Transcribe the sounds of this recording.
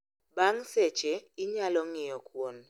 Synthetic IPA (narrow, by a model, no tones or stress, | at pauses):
baŋsɛt͡ʃeɪɲalɔŋɪjɔkwon